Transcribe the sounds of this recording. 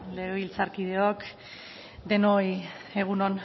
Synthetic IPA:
le̞ɣ̞e̞βilt͡saɾkið̞e̞ok | d̪e̞noj | e̞ɣ̞unon

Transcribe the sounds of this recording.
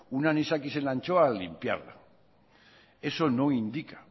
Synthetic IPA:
unanisakisenant͡ʃoalimpja̰ɾla̰ | e̞sonoind̪ikḁ

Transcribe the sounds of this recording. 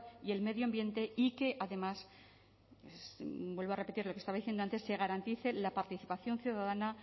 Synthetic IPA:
ie̞lme̞ðjoambjẽ̞nt̪e̞ike̞ʔaðe̞mas | sbwe̞lβoarepe̞t̪iɾlokest̪aβaðiθjend̪oant̪e̞sːe̞ɣaɾant̪iθe̞lapaɾt̪iθipaθjo̞nθjuðaðana

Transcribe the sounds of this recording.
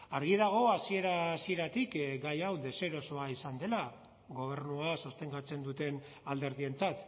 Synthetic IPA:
aɾɣiðaɣ̞o̞asie̞ɾasie̞ɾat̪ikɡajawðe̞se̞ɾo̞so̞aisand̪e̞la | ɣo̞β̞e̞ɾnuasost̪e̞ŋɡat͡se̞nd̪ut̪e̞n | ald̪e̞ɾðie̞nt͡sat̪

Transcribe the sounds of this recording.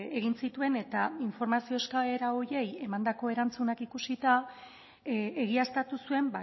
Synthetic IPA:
e̞ɣinsit̪ue̞ne̞t̪aiɱfo̞ɾmasio̞skale̞ɾao̞ɾje̞je̞mand̪ako̞e̞ɾant͡sunakikusit̪a | eɣiast̪at̪usue̞mba

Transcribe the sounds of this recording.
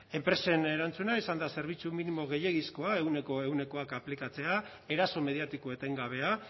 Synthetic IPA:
e̞mpɾe̞se̞ne̞ɾant͡sunaisand̪ase̞ɾβ̞it͡suminimo̞ɣe̞je̞ɣisko̞ae̞wne̞ko̞e̞wne̞ko̞akaplikat͡se̞a | e̞ɾaso̞me̞ð̞ijat̪ikoet̪e̞ŋɡaβ̞e̞a

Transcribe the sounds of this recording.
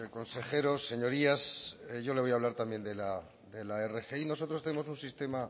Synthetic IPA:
ko̞nse̞xe̞ɾo̞sːe̞ɲo̞ɾiasʝo̞leojaβlaɾt̪ambje̞nd̪e̞la | d̪e̞lae̞re̞xeino̞s̬o̞t̪ɾot̪enemo̞sunsist̪e̞ma

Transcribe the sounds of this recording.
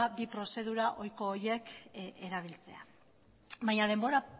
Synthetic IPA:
abipɾo̞se̞ð̞uɾaʔo̞jko̞ːje̞keɾaβ̞ilt͡se̞a̰ | βaɲað̞e̞mbo̞ɾa

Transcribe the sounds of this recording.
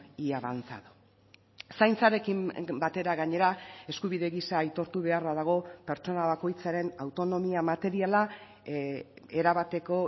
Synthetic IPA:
iaβant͡sa̰ðu | sajnt͡saɾe̞kimbat̪e̞ɾaɣaɲe̞ɾae̞skuβiðe̞ɣisaːjt̪o̞ɾt̪uβ̞e̞arβaðaɣ̞o̞pe̞ɾt͡ʃo̞naβako̞jt͡saɾe̞nawt̪o̞no̞miamat̪e̞ɾiala | e̞ɾaβat̪e̞ko̞

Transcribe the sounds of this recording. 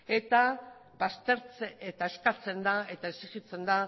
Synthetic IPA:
e̞t̪a | βast̪eɾt͡seet̪ae̞skat͡se̞nd̪ae̞t̪aesiɣit͡se̞nd̪a

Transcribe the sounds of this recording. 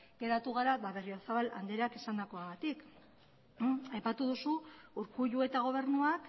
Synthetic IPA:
ɡe̞ɾat̪uɣaɾaβaβe̞riosaβala̰nd̪eɾakisand̪ako̞aɣat̪ik | ajpat̪uðusuuɾkuʎue̞t̪aɣ̞o̞β̞e̞ɾnuak

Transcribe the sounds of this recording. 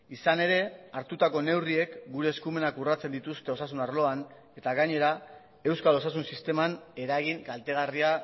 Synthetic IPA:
isane̞ɾe̞aɾt̪ut̪ako̞ne̞wrie̞kɡuɾe̞ːskume̞nakurat͡se̞nd̪it̪ust̪e̞o̞sasunarlo̞an | e̞t̪aɣaɲe̞ɾa | e̞wskalo̞sas̬unsist̪e̞mane̞ɾaɣiŋkalt̪e̞ɣ̞aria

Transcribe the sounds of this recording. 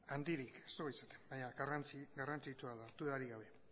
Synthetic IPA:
and̪iɾike̞̥st̪oɣoisḁt̪e̥mbaɲaɣarant͡siɡarant͡sit͡ʃuaðat̪ueaɾiɣaβ̞e̞

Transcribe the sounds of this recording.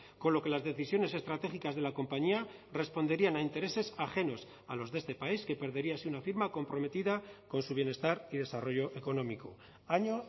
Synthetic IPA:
ko̞lo̞ke̞lazðe̞θisjo̞ne̞se̞st̪ɾat̪e̞xikazðe̞lako̞mpaɲiare̞spo̞nd̪e̞ɾianaint̪e̞ɾe̞se̞saxe̞no̞s | alo̞zðe̞st̪e̞paiske̞pe̞ɾðe̞ɾiaːsiunafiɾmako̞mpɾo̞me̞t̪iðako̞nsuβ̞je̞ne̞st̪aɾiðe̞saro̞ʝo̞ʔe̞ko̞no̞miko | aɲo

